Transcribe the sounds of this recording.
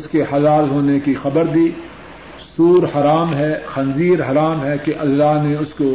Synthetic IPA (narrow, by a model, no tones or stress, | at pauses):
ʊskehɐlaːlɦoːnekixɐbəɾd̪iː | suːɾhɐɾaːmɦɛxɐnziːɾɦɐɾaːmɦɛkeʔɐlːaːɦneʊsko